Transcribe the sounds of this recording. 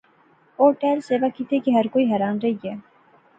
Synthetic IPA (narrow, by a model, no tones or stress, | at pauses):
oːʈɛːlseːʋakiːt̪ekiɦɐɾkoːiɦɛːɾaːnɾɐɦiɡɛː